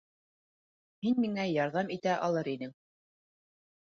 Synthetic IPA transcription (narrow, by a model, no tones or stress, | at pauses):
hinmiŋæjɑɾðɑmit̪æʔɑlˠɤɾinɘŋ